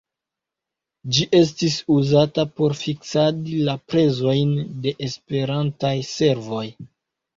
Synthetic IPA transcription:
d͡ʒiʔe̞s̬tisuzatapo̞ɾfiksadilapɾe̞zo̞jnde̞ʔespe̞ɾantajse̞ɾvo̞j

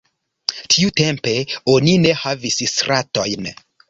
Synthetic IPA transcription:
tʰiute̞mpe̞o̞nine̞havissɾʔato̞jn

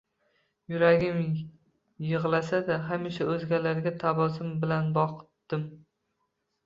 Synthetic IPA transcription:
jʊɾaɡʲɪm | jɨʁlˠasad̪aɦamɪʃaɵzɡʲalaɾɡʲat̪ʰabɒsɪmbɪlanbɒqʰt̪ːɪm

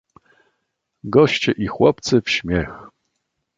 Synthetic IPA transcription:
ɡɔɕt͡ɕɛʔixwɔp̚t̪sɘfɕmʲjɛx

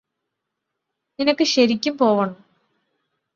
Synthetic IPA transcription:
ninɐkːɨɕɐɾikʲːumpo̞ːʋɐɳu

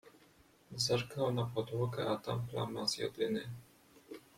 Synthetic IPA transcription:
zarkawnapɔd̪wɔkɛʔat̪a̰mpla̰mazjɛ̰d̪ɪnɪ

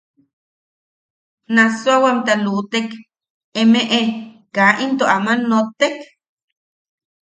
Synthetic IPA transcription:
naswawamt̪alut̪ek | emeʔe | kaʔint̪oʔamanːot̪ek

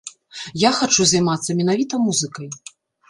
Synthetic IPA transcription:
jaxat͡ʂuzɐjmat̪sːɐmʲɛnavʲit̪ɐmuzɨkɐj

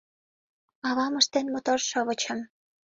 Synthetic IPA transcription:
ɑβɑməʃt̪enmot̪orʃɤ̆βə̆t͡ɕə̆m

